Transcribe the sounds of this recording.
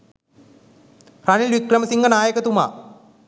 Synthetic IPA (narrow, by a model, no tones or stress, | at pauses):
rɐnilʋikrɐmɐsiŋɡɐnaːjɐkːɐt̪uma̰ː